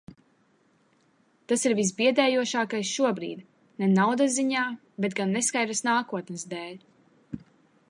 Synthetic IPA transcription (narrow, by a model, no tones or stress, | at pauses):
t̪asiɾvis̬biɛd̪ɛːjuɔʃaːkajsʃuɔbɾḭːd̪ | nɛnawd̪aziɲaː | bet̪ɡanːɛskaj̪ɾasnaːkuɔt̪nɨsd̪ɛːlʲ